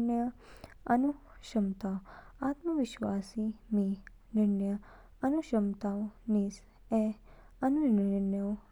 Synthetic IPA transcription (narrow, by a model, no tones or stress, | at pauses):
njə | ənu | ʃəmt̪awat̪məʋɪʃʋaːsimi | nɪɾnjə | ənuʃəmt̪awnis | e | ənunɪɾnəw